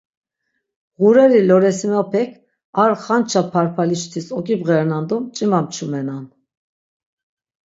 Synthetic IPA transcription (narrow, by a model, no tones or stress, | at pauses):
ʁuɾɛɾilɔɾɛsimapʰɛkʰ | aɾχant͡ʃʰapʰaɾpʰalit͡ʃt̪ʰisɔkʼibɣɛɾnand̪umt͡ʃʼimamt͡ʃʰumɛnan